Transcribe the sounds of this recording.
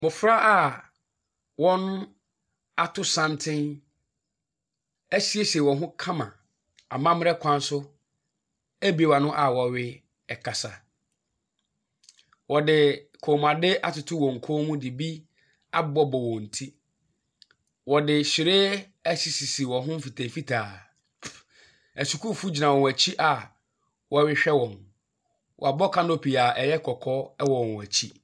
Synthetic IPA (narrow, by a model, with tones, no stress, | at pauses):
mʊ˨fɾa˦ʔa˨ | wɔ̃˦nʊ̃˦ | a˨tʰʊ˦sã˦ntʰɪ̃˦n | æ˦ɕi˦e˦ɕɛ˨wɔ̃˨ɦʊ̃˦kʰã˦mã̰˨ | a˨mã˦mɪ˦ɾɛ˦kʷʰã˦n˦sʊ˦ | æ˦bi˨e˨wa˨nʊ̃˦ʔa˨wɔ˨ɥɪ˦ | ɛ˨kʰa˨sa˨ | wɔ˨dɪ˨kʰo˨mã˨dɪ˦a˨tʊ˨tʰʊ˦wɔ̃˨ŋ̩˨kʰo˦mũ˦dɪ˨bi˦ | a˦bɔ˦bɔ˨wɔ̃˨n̩˨tʰi˦ | wɔ˨dɪ˨ɕɪ˨ɾeː˦ | æ˦si˨si˨si˨wɔ̃˨ɦʊ̃˦m̩˦fi˨tʰa˨fi˦tʰaː˨ | æ˨su˨kʰu˦˨fu˦d͡ʑi˨nã˨wɔ̃˨wæ˨t͡ɕʰi˦ʔa˨ | wɔ˨ɥɪ˦ɕᶣɛ˦wɔ̃˨n | wʔɔ˨a˨bɔ˦kʰã˦no˦˨pʰi˨a˨ʔɛ˨jɛ˦kʰɔ˨kʰɔ˦ɛ˦wɔ̃˨wæ˨t͡ɕʰi˦